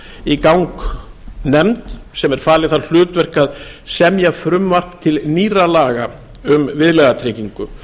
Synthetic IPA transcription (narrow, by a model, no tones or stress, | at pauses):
ikawŋk | nɛmt̪sɛmɛɾ̥faːlɪθall̥ʏːt̪vɛr̥kaðsɛmjɛɣfɾʏmvar̥t̪t̪ʰɪlniːralaːɣa | ʏmvɪðlɛɣat̪ʰɾeciŋkʏ